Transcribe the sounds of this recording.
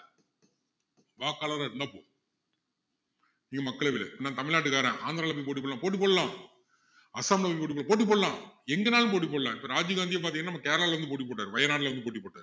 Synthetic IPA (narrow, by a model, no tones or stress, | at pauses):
ʋaːkːaːlɐt̪ãːɪɾɯnd̪aːpo̰ː | niːŋɡɐmɐkːɐɭɐʋɪl̰naːt̪ɐmɪɭnaːʈ̬ːɯkaːɾẽːʔaːnd̪ɾaːlɐpːɐːipoːʈ̬ːipːoːɭlãːpoːʈ̬ːipːoːɽɐlãː | ɐsaːmlɐpːɐipoːʈipːɭlãːpoːʈ̬ːip̬ːoːɽɐlãːɛŋɡɐnaːlɯ̃mp̬oːʈ̬ːip̬ːoːɽɐlãːɪpːɐɾaːd͡ʒɯɡaːnd̪ɪjɐpaːɾt̪ĩŋɛnːaːɐmːakeːɾɐlaːlʋɐnd̪ɯp̬oːʈːip̬ːoːʈ̬ːaːɾɯʋɐjɐnaːɽɪlɐʋɐnd̪ɯp̬oːʈ̬ːipːoːʈːaːɾ